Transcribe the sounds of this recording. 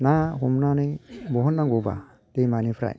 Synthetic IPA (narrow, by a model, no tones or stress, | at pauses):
naɦumnanibɔɦonːaɡoba̰ | temanipʰɾa̰